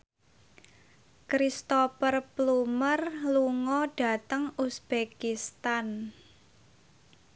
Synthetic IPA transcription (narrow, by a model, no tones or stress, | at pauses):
kɾist̪opərplumərluŋɔɖ̥a̤t̪əŋusb̥ekist̪an